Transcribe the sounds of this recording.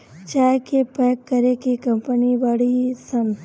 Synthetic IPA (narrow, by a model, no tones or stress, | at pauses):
t͡ʃaːkepɛːkːɐɾekikɐmpənibaɽisɐm